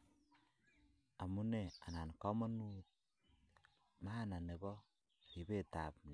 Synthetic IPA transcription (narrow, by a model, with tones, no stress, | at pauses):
a˨mu˦ne˨a˨na˨nkɔ˦mɔ˦nu˦t̪̚ | ma˦na˨ne˨bɔ˦˨ | ɾi˨be˦˨ta̰˨p̚n˨